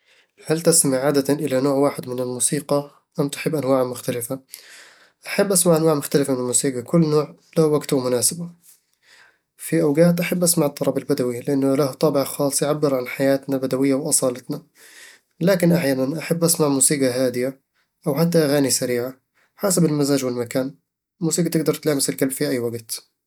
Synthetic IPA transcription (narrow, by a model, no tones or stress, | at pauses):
halt̪ast̪mɪʕaːd̪at̪aʔɪlanoːʕwaːħɪd̪mɪnɪlmuːsiːɡɑ | ʔamt̪ʊ̥ħɪbːʔanwaːʕamʊxt̪alɪfa | ʔaħabːʔasmaʕʔanwaːʕmʊxt̪alɪfmɪnɪlmuːsiːqɑkʊlːnoːʕlahwaɡt̪wmʊnaːsɪba | fiʔawɡaːt̪ʔaħabːʔasmaʕɪt̪ˤːɑɾˤɑbalbad̪awilɪʔanːʊlaht̪ˤːɑːbɪʕaxɑːsˤjʕabːɪɾʕanħajaːt̪nabad̪awɪjːawʔɑsˤɑːlɪt̪na | laːkɪnʔaħjaːnanʔaħabːʔasmaʕmuːsiːɡaɦaːd̪ɪja | ʔawħat̪̬ːaʔaɣaːnisaɾiːʕa | ħaːsabɪlmazaːd͡ʒwɪlmakaːn | muːsiːɡat̪ɪɡ̚d̪ɑɾˤt̪laːmɪsɪlkalbfiʔajːwaɡt̪